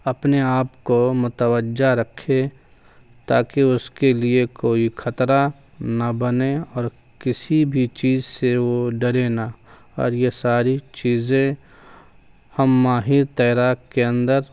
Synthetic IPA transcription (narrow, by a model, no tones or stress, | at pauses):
ɐpneaːpkomʊt̪əwəd͡ʒaɾɐkʰːe | t̪aːkeʊskeliekoːixʰɐt̪ɾa | nabɐneɔːɾ | kɪsibʱit͡ʃiːzseʋoɖɐɾena | ɔ̰ːɾjesaːɾit͡ʃiːzẽ | hɐmːaːɦɪɾt̪ɛːɾaːkkeə̃nd̪əɾ